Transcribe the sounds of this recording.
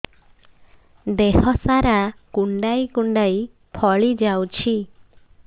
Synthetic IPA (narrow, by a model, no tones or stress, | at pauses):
d̪ehɔsaɾakuɳɖajkuɳɖaj | pʰɔɭid͡ʒawt͡ʃʰi